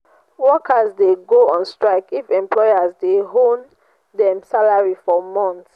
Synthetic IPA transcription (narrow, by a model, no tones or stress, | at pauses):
wɔkʰazdeɡoɔ̃nstɹaɪkifɛ̃mplɔɪazdeɦõn | dɛ̃msalaɹifɔmɔ̃nt